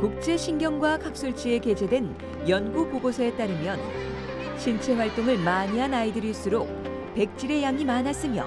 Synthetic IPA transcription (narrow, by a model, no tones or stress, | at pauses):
kuk̚t͡ɕ͈e̞ɕʰinɡjʌŋɡwakʰak̚s͈oɭt͡ɕ͈ie̞ke̞d͡ʑe̞dwe̞n | jʌnɡupoɡosʰʌe̞t͈aɾɯmjʌn | ɕʰint͡ɕʰe̞ɸwaɭt͈oŋɯɭmaɲiɦanaidɯɾis͈uɾok̚ | pe̞k̚t͡ɕ͈iɾe̞jaŋimanas͈ɯmjʌ̰